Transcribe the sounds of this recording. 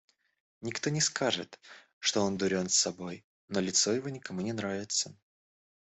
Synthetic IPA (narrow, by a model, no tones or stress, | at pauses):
nʲɪkt̪o̞nʲɪskaʐɨ̰t̪ | ʂt̪o̞ond̪ʊɾʲo̞nsːɐbo̞j | nolʲɪt̪so̞jɪvo̞nʲɪkɐmunʲɪnɾavʲɪt̪sə